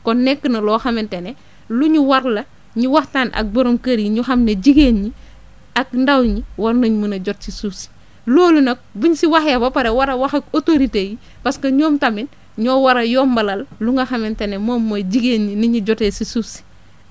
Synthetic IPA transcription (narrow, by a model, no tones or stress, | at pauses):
kɔnnɛkːənɐlɔːxɐmɛntene | luɲuwɐɾlɐ | ɲuwɐxtaːnʔɐ̰k̚boɾomkɐɾjiɲuxɐmneɟiɡeːnɲi | ɐk̚ndawɲiwɐɾnɐɲmunɐɟɔt̚sisusi̥ | loːlunɐk̚buɲsiwɐxjɐbɐpɐɾewaɾɐwaxɐkotoɾiteːji | pɐskɐɲoːmtɐmin | ɲɔːwaɾɐjɔːmbɐlɐlluŋɡɐxɐmentenemoːmːoɟiɡeːnɲiniɲuɟɔtesisusi̥